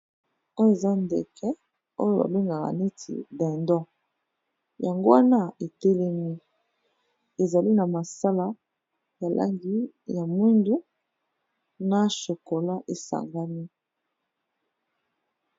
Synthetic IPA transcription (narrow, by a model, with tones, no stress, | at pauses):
o˦jo˦e˨za˦ndḛ˨kʰɛ˦ | o˦jo˦˨ba̰˨be˦ŋɡa˨ka̰˨ne˦tʰḭ˨dɛ˨ndɔ̃˦ | ja˨ŋɡo˦wa˦na˦e˨tɛ˦lɛ˦mi˦ | e˨za˨li˦na˨ma˨sa˦la˦ | ja˨lʔa̰˦ŋɡi˦ | ja˨mi˦ndu˦ | na˦ʃo˨ko˨la˦ʔe˨sa̰˨ŋɡa˦ni˦